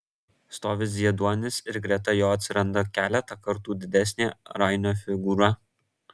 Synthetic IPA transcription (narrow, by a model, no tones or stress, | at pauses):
st̪oːʋʲɪs̬zʲiɛd̪uɔnʲɪsɪɾɡɾʲɛt̪ɐjoːɐt̪ʲsʲɪɾɐnd̪ɐkʲæːlʲɛt̪ɐkɐɾt̪uːd̪ʲɪd̪ʲɛsʲnʲeːɾɐˑɪnʲoːfʲɪɡuːɾɐ